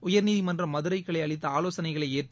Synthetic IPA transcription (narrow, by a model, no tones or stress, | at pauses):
ʊjɐɾniːðimɐndrɐmːɐðɯɾɐɪkːɐɭɐɪɐɭɪt̪̬ːɐaːloːsɐnɐɪɣɐɭɐɪeːʈ